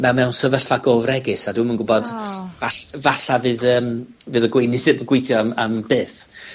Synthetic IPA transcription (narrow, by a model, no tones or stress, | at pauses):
mɛwmɛwnsəvəɬaɡovrɛɡɨsadɪmənɡʊbɔd̥vavaɬavɨːðəːmvɨːðəɡwejnɨθɨbəɡwejtʰjɔmambɨːθ